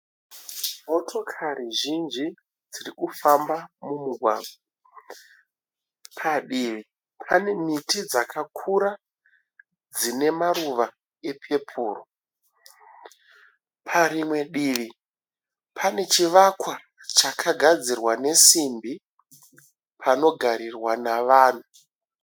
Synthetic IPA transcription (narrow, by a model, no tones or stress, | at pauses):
mo̞tʰo̞kʰariʒind͡ʒi | d͡zirikufambamumuɡʱwa̰ːɡwa | pʰaɗiʋi | pʰane̞mitid͡zakʰakʰuɾa | d͡zine̞maɾuʋa | e̞pʰe̞pʰuːro | pʰaɾimwe̞ɗiːʋi | pʰane̞t͡ʃiʋakwa | t͡ʃakʰaɡʱad͡zirwane̞simbi | pʰano̞ɡʱaɾirwanaʋaːn̤u